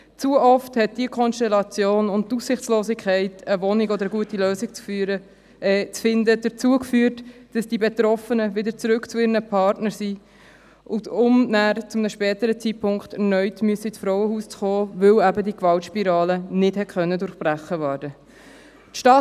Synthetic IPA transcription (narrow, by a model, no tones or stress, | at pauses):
t͡suəʔɔfthɛt̚d̥iəkʰɔnstɛlɑt͡sjoːnʊnttussɪχt͡sloːsɪkʰχɛɪtəvɔnɪɡɔd̪əɾəɡuətiløːsɪk̚t͡sfyɾə | t͡sfɪndəd̥əɾt͡suəkfyːɾtd̥ɑsd̥ibet̪ɾɔfənəvɪdəɾt͡sɾʉkt͡sʊɪɾənəpʰɑɾtnəɾsi | ʔʊdʊmnæːɾt͡sʊmnəʃpɛːtəɾət͡sit̚pʰʊŋkχtɛɾnœʏtmyəsəɪt͡sfɾɔʊwəhuːst͡sχoːvɵwæbədikvɑltʃpiɾɑːlənɪthɛtχœnːədʊɾχb̥ræχəvæːɾd̥ə | tʃtɑː